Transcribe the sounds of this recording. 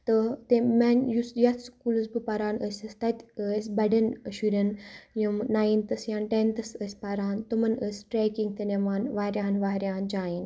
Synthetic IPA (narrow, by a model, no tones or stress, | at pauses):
t̪ɨt̪emɐnʲjusjɐt͡s̪skuːlɐsbɨpɐɾaːnəsʲɐst̪ɐt̪ʲəsʲbɐɖɐnʃuɾʲɐnjɐmnaːjint̪ɐsjaːnʈent̪ɐsəsʲpaɾaːnt̪umɐnəsʲʈɾeːkiŋɡt̪enɐʋaːnʋaːɾʲjaːnʋaːɾʲjaːnd͡ʒaːin